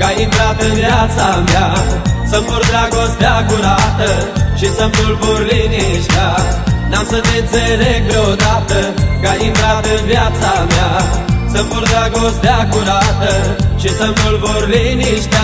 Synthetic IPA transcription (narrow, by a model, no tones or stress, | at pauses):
kajinb̪ɾat̪əʋjat͡samjasəmpuɾd̪ɾaɡosd̪jakuɾat̪əʃisɐmbulboɾliniʂt̪anamsət̪et͡seɾeɡɾod̪at̪əɡajind̪ɾat̪əʋjat͡samjasəmpuɾd̪ɾaɡosd̪jakuɾat̪əʃisɐmbulboɾliniʃt̪ja